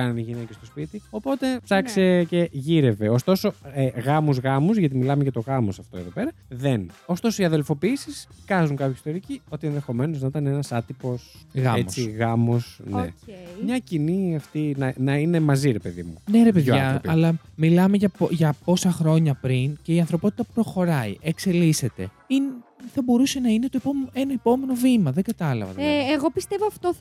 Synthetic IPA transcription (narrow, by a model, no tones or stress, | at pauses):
kɐnɐniʝinece̞st̪o̞spit̪io̞po̞t̪e̞psɐkse̞ce̞ʝiɾe̞ve̞o̞st̪o̞so̞eɣɐmuzɣɐmuzʝɐt̪imilɐmeʝɐt̪o̞ɣɐmosɐft̪o̞e̞̰ðo̞pe̞ɾɐðe̞no̞st̪o̞soiɐðelfo̞piisiskɐzuŋkɐpçɐist̪o̞ɾicio̞t̪ienðe̞xo̞me̞no̞znɐit̪ɐnenɐsɐt̪ipo̞sɣɐet͡siɣɐmosnḛmɲɐciniɐft̪inɐnɐine̞mɐziɾe̞pe̞ðḭmuneɾe̞peðɐpiɐlɐmilɐmeʝɐpoʝɐpo̞sɐxɾo̞ɲɐpɾince̞iɐnθɾo̞po̞t̪i̥t̪ɐpɾo̞xo̞ɾɐiʔekse̞lise̞t̪e̞ | inθɐbo̞ɾuse̞nɐine̞t̪oeomenɐepo̞me̞no̞vimɐðe̞ɡɐt̪ɐlɐ̰vɐ̰t̪ːɣo̞pist̪e̞voɐft̪o